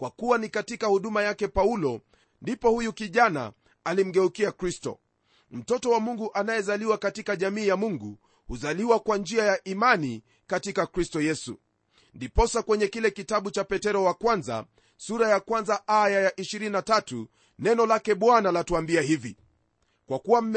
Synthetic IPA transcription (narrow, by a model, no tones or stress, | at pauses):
kwakuwanikatikahuɗumajakɛpaulɔ | ndipɔhujukiʄana̰ | alim̩ɡɛukiakɾistɔ̰ | m̩tɔtɔwamuŋɡuʔanajɛzaliwakatikaʄamiːjamuŋɡu | huzaliwakwand͡ʒiajaʔimani | katikakɾistɔjɛsṵ | ndipɔsakwɛɲɛkilɛkitaɓut͡ʃapɛtɛɾɔwakwanza̰ | suɾajakwanzaʔajajaʔiʃiɾininatatu | nɛnɔlakɛɓwanalatuambiahivi | kwakuwam̩